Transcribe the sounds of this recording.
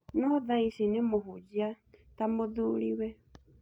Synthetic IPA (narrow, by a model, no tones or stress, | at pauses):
nɔðaisinemoɦud͡ʒia | tamoðuːlḭwɛ